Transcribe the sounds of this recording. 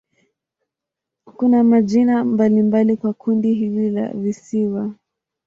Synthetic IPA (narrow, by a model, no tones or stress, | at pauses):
kunamaʄinambalimbalikwakʰundiɦilila̰visiwa